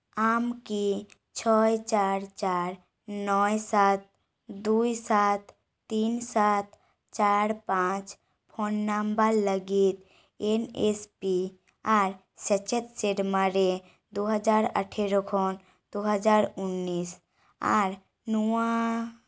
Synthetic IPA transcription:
aːmki | t͡ʃʰɔt͡ʃaːɾt͡ʃaːɾ | nɔːjsaːt̪̚ | d̪uisat̪ʰː | iːnsat̪̚ | t͡ʃaːɾpãt͡ʃ | pʰonːambaɾləɡit̪ | enespi | aːɾ | sət͡ʃət̪seɖmaɾe | d̪oɦəd͡ʒaːɾə̰ʈʰeɾokʰoːn | d̪oɦəd͡ʒaːɾʊnːiːs | a̰ɾ | nuã

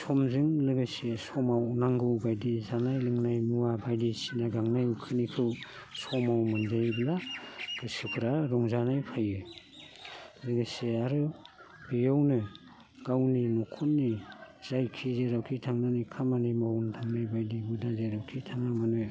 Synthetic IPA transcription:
sʰɔmzɯŋlɯɡɯsesɔmawnaŋɡɯwbajdizanajlɯŋnajmuabajdisinaɡaŋnajukʰɯnikʰɯw | sɔmawmɯnzajblaɡ̥ɯsɯpʰɯɾaɾɔŋzanajpʰajɯ | lɯɡɯseaɾɯ | b̥ijawnɯ | ɡ̥awninɔkʰɔnːiz̥ajkʰizeɾawkʰitʰaŋnanikʰamanimawntʰaŋnajbajdibudazeɾawkʰitʰaŋamanɯ

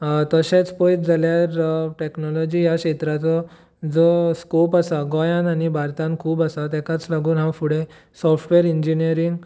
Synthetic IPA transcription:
t̪əɕẽt͡spɔjt̪d͡zʱaljaɾʈeknɔlɔd͡ʑijaɕet̪ɾat͡sɔ | d͡zɔskopasaɡɔjãnanibʱaɾt̪ãnkʰuːbasat̪ɛkat͡slaɡuːnɦãwfuɽẽ | sɔfʰʈʋeɾiɲd͡ʑiniəɾiŋɡ

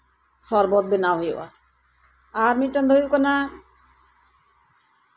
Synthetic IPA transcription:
sɔɾbɔd̪̚benaɦojewa̰ | aɾmiʈːand̪ʱojukɔna

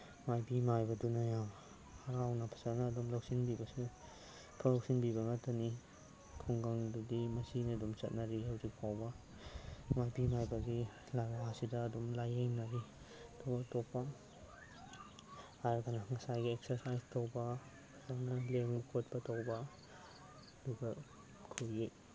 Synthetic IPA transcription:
majbimajbɐdunajaw | hɐɾawnapʰɐ̥sanaːdumlok̚sinbibɐsu | pʰalok̚sinbibɐŋɐtʰɐni | kʰuŋɡaŋdudimɐsiniɐdumt͡ʃɐt̚naɾihawzik̚pʰawbɐ | majbimajbɐɡi | laɾaɦasidɐːdumlajeŋnaɾi | tɔbatok̚pɐ | ɾɡanaŋɐsajɡiek̚sɐɾsajstʰowbɐː | ɾnaleŋkʰot̚pɐtʰowbɐ | duɡɐ | kʰuɾji

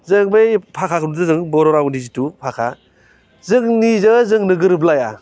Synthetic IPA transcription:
zɯŋbɯjpʰakʰakʰɯnudɯzɯŋbɔɾɔɾawnizitupʰakʰa | zɯŋnizɯzɯŋnɯɡɯɾɯblaja

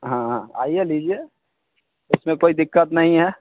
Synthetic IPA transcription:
ɦãɦãa̰ːieliːd͡ʒie | ʊsmẽkoːid̪ɪkːət̪nɐɦĩɦɛː

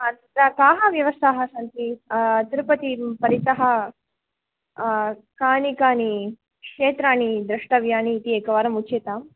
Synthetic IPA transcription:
ɐɐɾakaːɦɐʋjɐʋɐst̪aɦɐsɐnt̪it̪iɾupɐt̪ipɐɾit̪ɐɦɐ | kaːnikaːni | kʂeːt̪ɾaːnid̪ɾɐʂʈɐʋjaːniːt̪iekɐʋaːɾɐmut͡ʃeːt̪aːm

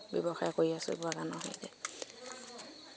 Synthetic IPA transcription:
bɔbɔxajkoɹiaso̰bɔakanɔɦo̰jdɛ̰

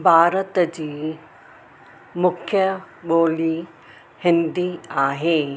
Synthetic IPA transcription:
bʱaːɾət̪d͡ʑiː | mʊkʰjə | ɓoːli | hɪ̃nd̪iaːɦeː

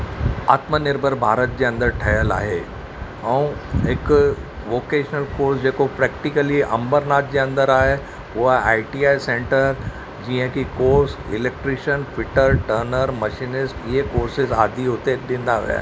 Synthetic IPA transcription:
a̰ːt̪mənɪɾbʱəɾbʱaːɾət̪̚d͡ʑeːɐ̃nd̪əɾʈʰɐɦəla̰ːɦe | ɛ̃ũɦɪk | ʋoːkeːʃnəlkoːɾsd͡ʑeːkopɾɛːkʈɪkəliɐ̰̃mbəɾnaːt̪̚d͡ʑeːɐ̃nd̪əɾaːɦe | ʊɦaa̰ːɪʈiːaːisẽːɳʈəɾ | d͡ʑiə̃kikoːɾsɪ̰leːk̚ʈɾɪʃənfʰɪʈəɾʈəːɾnəɾmɐʃinɪsʈiɦekoːɾsɪzaːd̪ʱiɦʊt̪eɗ̪ĩːnd̪aʋɐ̰ja̰ː

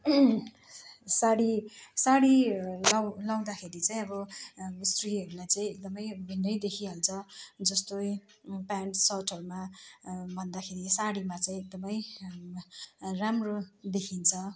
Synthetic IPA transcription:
saɽisaɽilawlaw̃d̪axʰeɾit͡saĩʌbʌst̪riɦʌɾulajt͡saĩek̚d̪ʌmʌjbʱenːʌjd̪ekʰiɦalt͡sʰʌd͡zʌst̪oj | panʈsʌʈʌɾuma | bʱʌnd̪akʰeɾisaɽimat͡saĩek̚d̪ʌmʌj | ramrod̪ekʰint͡sʰʌ

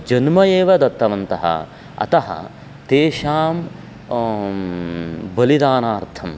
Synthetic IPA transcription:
d͡ʒɐnmɐjeːʋɐd̪ɐt̪ːɐʋɐnt̪ɐɦɐ̰ | ɐ̰t̪ɐɦɐ̰ | t̪eːʃaːm | bɐlid̪aːnaːɾt̪ʰɐm

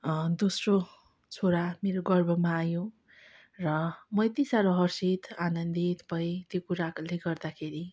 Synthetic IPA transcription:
d̪osro | t͡sʰoɾameɾoɡʌrbʱʌmaːjõ | rʌmʌjt̪isaɾʌɦʌrsit̪anʌnd̪it̪ʌ̥paĩt̪jokuɾakleɡʌrd̪akʰeɾi

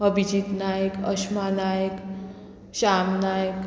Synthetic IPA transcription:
əbʱid͡ʑit̪najəkʌsmanajk | ɕamnajk

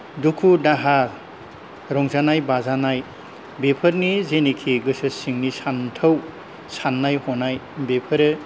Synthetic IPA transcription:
dukʰudaɦa | ɾɔŋzanajbazanaj | bepʰɯɾnizenikʰiɡɯsɯsiŋnisantʰɯw | sanːajhɔnajbepʰɯɾɯ

